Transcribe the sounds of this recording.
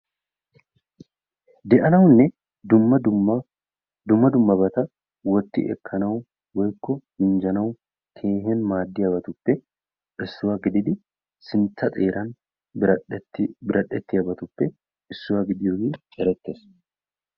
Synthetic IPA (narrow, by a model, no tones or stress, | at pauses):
d̪ɛʔɐnɐwnːɛ | d̪ʊmːɐ | d̪ʊmːɐd̪ʊmːɐbɐt̪ɐ | wɔt̪ːɪ̰ʔɛ̰kʰːɐnɐw | wɔjkːɔhɪnd͡ʒɐnɐwʊ | kʰe̞ːɦenmaːd̪ːɪjɐbɐt̪ʊpːɛ | ʔɪsːʊwɐɡɪd̪ɪd̪ɪ | sɪnt͡sːɐt̪ʼeːɾʔɐn | tːbɪɾʔɐɗɛt̪ːɪjɐbɐt̪ʊpːɛ | ɪsːʊwɐɡɪd̪ɪjoɡɪɛɾɛt̪ːes